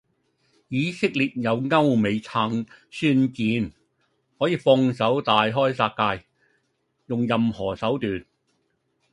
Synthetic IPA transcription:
jiː˨˧sɪ˥k̚liː˨˩t̚jɐ˨˧wŋɐ˥wme˨˧jt͡sʰaː˧˥ŋsyː˥nkiː˨˥n | hɔː˨˥jiː˨˧fɔː˧ŋsɐ˨˥wt̪aː˨jɦɔː˥jsaː˧k̚kaː˧j | jʊ˨ŋjɐ˨mhɔː˨˩sɐ˨˥wt̪yː˨˩n

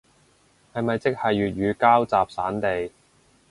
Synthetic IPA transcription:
hɐ˨jmɐ˨jt͡sɪ˥k̚hɐ˨jːyː˨t̚ɥyː˨˧kaː˥wt͡saː˨p̚saː˨˥nt̪e˨j

